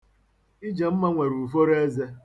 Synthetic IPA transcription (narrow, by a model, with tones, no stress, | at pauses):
i˦d͡ʒe˨m̩˦ma˦ŋʷe˨ɾu˨fo˦ɾe˦ze˦